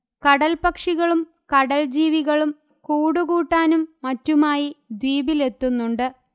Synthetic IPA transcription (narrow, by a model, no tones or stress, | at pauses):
kɐɽɐlpɐkʂiɣɐɭum | kɐɽɐld͡ʑiːʋiɣɐɭum | kuːɽuɣuːʈːaːnumːɐtːumaːjid̪wiːbile̞t̪ːunːuɳɖɨ